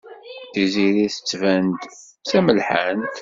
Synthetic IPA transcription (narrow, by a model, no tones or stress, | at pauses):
θiziɾiθə̥t͡sːvænd̪ | sæməlħant̪